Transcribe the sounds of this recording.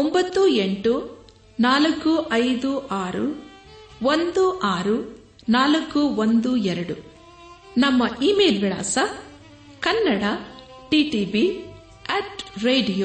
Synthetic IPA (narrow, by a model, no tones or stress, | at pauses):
ombɐt̪ːueɳʈu | naːlɐkːuʔɐjd̪uʔaːɾṵ | ʋond̪uʔaːɾu | naːlɐkːuʋond̪uɛɾɐɽu | nɐmːɐʔiːmeːlʋiɭa̰ːsɐ | kɐnːɐɽɐ | ʈiːʈiːbi | eʈɾeːɖijoː